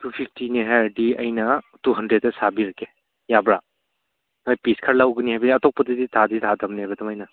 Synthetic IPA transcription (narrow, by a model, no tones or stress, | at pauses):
tupʰipʰtiniɦaɾdiɐjnɐ | tuɦɐndɾet̚ːɐsabiɾɐkʰe | jabɾa | najpiskʰaɾlawɡɯniɦajbɐniɐtɔk̚pɐdiditʰaditʰadɐmniɦajbɐdɐmajnɐ